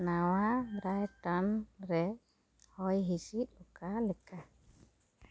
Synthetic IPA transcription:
nawabɾajʈɔnɾɛ | hɔjɦisit̪̚ˀlɔkalɛka

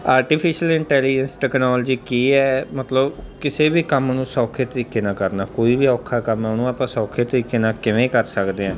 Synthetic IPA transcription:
aːɾʈiːpʰɪʃəlɪɳʈɛːliːd͡ʒənsʈɛːknɔːld͡ʒiːkiːɛːmət̪ləbkɪseːbiːkəmːnũːsɔːkʰeːt̪əɾiːkeːnãːkəɾnaːkoːiːbiːɔːkʰːaːkəmanũːaːpãːsɔːkʰeːt̪əɾiːkeːnãːkɪʋẽːkəɾsəkd̪eːɛ̃ː

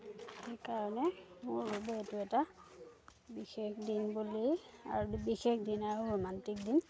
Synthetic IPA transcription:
xekaɹɔnɛmʊɹbubɛetʊɛta | bixexdinbulia̰ɹubixexdinaɹumantik̚din

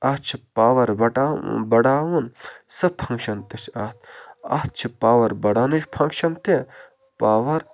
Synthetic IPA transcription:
ɐt͡ʃʰipaːʋɐɾbɐʈa̰bɐɽaːwunsɨpʰɐ̃ŋkʃɐnt̪eʃʰɐt̪ʰɐ̰t̪̚t͡ʃʰipaːʋɐɾbɐɽaːnit͡ʃpʰɐŋkʃɐnt̪e | paːʋɐɾ

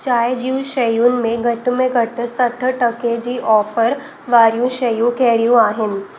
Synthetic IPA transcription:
t͡ɕajd͡ʑiʋɕəjuːnmeɡʱəʈmeɡʱəʈəst̪əʈʰəʈəked͡ʑiːʔɔfəɾ | ʋaɾjũɕəjũkeɭjũaɦen

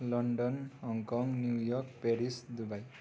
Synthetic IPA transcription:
lʌɳɖʌnɦʌŋkɔŋnjujɔkpeɾisd̪ubaj

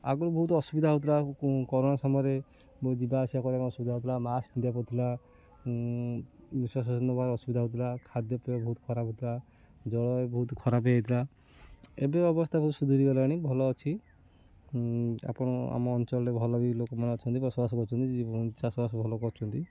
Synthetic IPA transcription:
a̰ɡɔɾbɔɦut̪ɔsubid̪ʱaɦut̪̬ʰlakɔɾonasɔmɔɔɾe | bd͡ʒibaːsijakɔɾiamɔsubid̪aɦut̪ʰilamasmid̪ʱjapɔt̪ʰila | biswas̬ɔd͡ʒɔnɔbaɾɔsubid̪ʱaɦut̪ʰilakʰad̪jɔpebabɔɦut̪kʰɔɾabʱɦut̪ʰila | d͡ʒɔɽɔebɔɦut̪kʰɔɾabeet̪ʰila | ebeɔbɔst̪ʰabɔɦut̪ɔ̥sud̪ʱuɾiɡɔlɔaɽ̃ibʱɔlɔːt͡ʃʰi | a̰pɔ̃ɔa̰mɔːnt͡ʃɔlɔɾebʱɔlɔbilokɔmɔnat͡ʃʰɔnt̪ibɔsɔbasɔkɔɾt͡ʃʰɔnt̪id͡ʒiɔnt͡ʃasɔbasɔbʱɔlɔkɔɾt͡ʃʰɔnt̪i

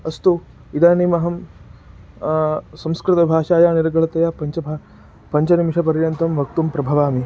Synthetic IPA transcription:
ɐst̪u | id̪aːnimɐɦɐm | sɐmskɾɪt̪ɐbʱaːʂaːjaːniɾɐɡɐɭɐt̪ɐjapɐɲt͡ʃɐbʱa | pɐɲt͡ʃɐnimʂɐpɐɾjɐnt̪ɐmʋɐk̚t̪umpɾɐbʱɐʋaːmi

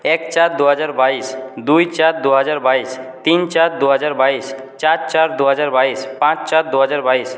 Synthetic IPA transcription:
ekt͡ʃaɾd̪uɦɔd͡ʒaɾbaisd̪ujt͡ʃaɾd̪uɦəd͡ʒaɾbaist̪int͡ʃaɾd̪uɦəd͡ʒaɾbais | t͡ʃat͡ʃaɾd̪uɦəd͡ʒaɾbaispãt͡ʃt͡ʃaɾd̪uɦəd͡ʒaɾbais

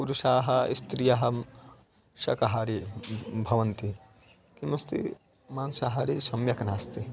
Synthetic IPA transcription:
puɾuʃaːɦɐist̪ɾijɐɦɐ | ʃɐ̰kɐɦaɾibʱɐʋɐnt̪i | kimɐst̪ḭ | maːnsaɦɐɾisɐmjɐknaːst̪i

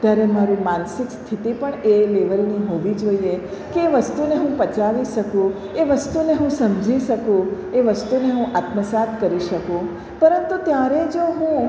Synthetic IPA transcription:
t̪jaɾemaɾũmansɪkst̪ʰit̪ipəɳeleʋəɾniɦoʋid͡ʒoiekeːʋəst̪uneɦũpət͡ʃaʋiʃəkũ | eʋəst̪uneɦũsəmd͡ʒʱiʃəkũ | eʋəst̪uneɦũʔat̪məsat̪ʰkəɾiʃəkũ | pəɾənt̪ut̪jaɾed͡ʒoɦũ

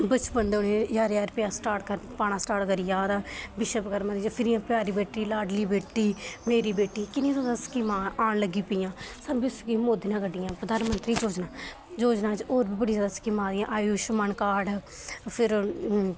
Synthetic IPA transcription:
bət͡ʃbənd̪oːneːjaːɾjaːɾpɪjaːsʈaːʈkəɾpaːɳãːsʈaːʈkəɾɪjãːd̪aːbɪʃəpkəɾmãːd̪id͡ʒpʰɪɾiːãːpjaːɾiːbeːʈːiːlaːɖliːbeːʈːiːmeːɾiːbeːʈːiːkɪnĩːt̪ʰoːd̪aːskimãːaːɳləɡiːpɪːjãːsəɾbɪskĩːmoːd̪inãːkəɖɪjãːpɾəd̪aːnmənt̪ɾiːd͡ʒoːd͡ʒnaː | d͡ʒoːd͡ʒnaːt͡ʃoːɾbiːbəɽiːzjaːd̪aːskimãːd̪ɪjãːʔaːjuːʃməɳkaːɖ | pʰɪɾ

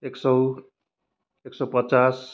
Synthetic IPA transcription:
eksʌw | eksʌwpʌt͡sas

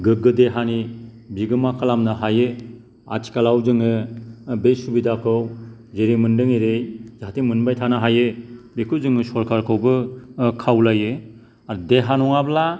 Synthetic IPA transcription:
ɡɯɡɯdeɦani | biɡɯmakʰalamnɯɦajɯ | a̰tʰi̥kalawzɯŋɯbesubidakʰɯw | zeɾimɯndɯŋeɾejzaatimɯnbajtʰanɯɦajɯbekʰɯwzɯŋɯsɔɾkʰaɾkʰɯwbɯkʰawlajɯ | aɾdeɦanɔŋabla

